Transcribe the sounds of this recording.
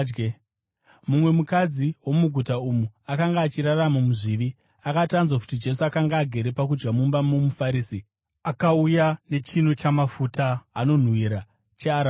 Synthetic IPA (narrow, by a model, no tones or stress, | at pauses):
ɡe | mumwe̞mukad͡ziwo̞muɡʱutaumuakaŋɡaːt͡ʃiɾaramamuʐiʋi | akatanzwakutid͡ʒe̞suakaŋɡaːɡʱe̞ɾe̞pak̬ud͡ʒɡamumbamumufaɾiːsi | akaujane̞t͡ʃin̤ut͡ʃamafutaːno̞n̤wiɾa | t͡ʃeaɾa